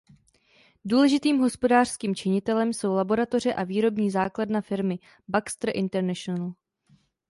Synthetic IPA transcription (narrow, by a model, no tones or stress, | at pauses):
duːlɛʒɪt̪iːmɦo̞spo̞daːr̝̥skiːmt͡ʃɪɲɪt̪ɛlɛmso̞wlabo̞ɾat̪o̞r̝ɛʔaviːɾo̞bɲiːzaːkladnafɪɾmɪ | bakst̪ɾ̩ʔɪnt̪ɛɾnɛʃonal